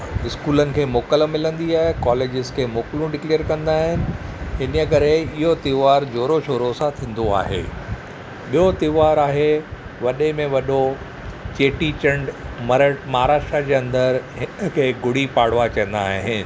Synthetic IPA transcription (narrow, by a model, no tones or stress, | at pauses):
ɪskuːlənɪ̆kʰeːmoːkəlmɪlə̃nd̪iaːɦekɔːleːd͡ʑɪzkʰeːmoːklũɖɪkleːəɾkɐ̃nd̪aːɦɪnɪ̆ɦɪnəkɐɾeɪɦot̪ɪʋaːɾd͡ʑoːɾoʃʰoːɾosãt̪ʰĩːn̆d̪oa̰ːɦḛː | ɓijot̪ɪʋaːɾaːɦe | ʋɐɗemẽʋɐɗo | t͡ɕeːʈit͡ɕə̃ɳɖmɐɾəʈmaːɾaːʃʈɾad͡ʑeːɐ̃nd̪əɾɦɪnəkʰeːɡʊɽipaːɽʋat͡ɕɐə̃n̆d̪aːɦɦɪnɪ̆